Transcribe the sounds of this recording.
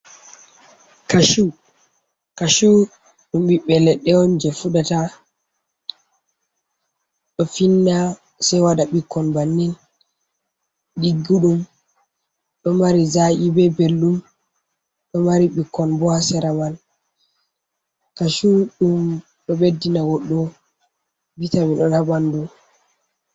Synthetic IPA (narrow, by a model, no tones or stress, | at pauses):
kaʃu | kaʃu | ɗumɓiɓɛlɛɗɛɔnd͡ʒɛfuɗata | ɗɔfinːa | sɛjwaɗaɓikːɔnbanːin | ɗiɡːuɗum | ɗɔmaɾizaʔibɛbelːum | ɗɔmaɾiɓikːɔnbɔhasɛɾaman | kaʃuɗum | ɗɔɓedːinaɡɔɗɔ | bitamiɗɔnhaɓandu